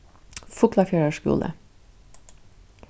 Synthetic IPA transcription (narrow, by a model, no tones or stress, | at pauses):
fʊklɑfjœɹəʃkʉ̰ːlə̰